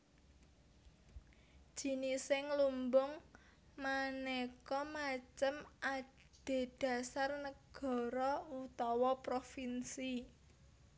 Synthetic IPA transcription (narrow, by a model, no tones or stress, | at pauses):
d̥ʒ̥i̤nisɪŋlumbʊŋmanekɔmat͡ʃəma | ɖ̥e̤d̥ä̤sarnəɡ̥ɔ̤ɾɔut̪ɔwɔpɾofinsi